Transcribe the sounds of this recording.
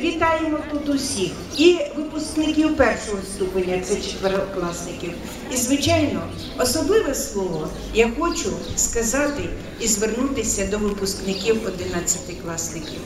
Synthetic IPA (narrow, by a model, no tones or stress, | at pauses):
ʋʲit̪ɑjemɔt̪ut̪ʊsʲix | iʋɪpʊsknɪkʲiwpɛrʃɔɦɔst̪upenʲːɐt̪sɛt͡ʃe̥t̪ʋeɾɔklˠɑsnɪkʲiw | izʋɪt͡ʃɑjnɔ | ɔsɔblˠɪʋɛslˠɔʋɔ | jaxɔt͡ʃʊskɐzɑt̪ɪ | izʋernut̪ɪsʲɐd̪ɔʋɪpʊsknɪkʲiwɔd̪ɪnɑt͡sʲːɐt̪ɪklˠɑsnɪkʲiw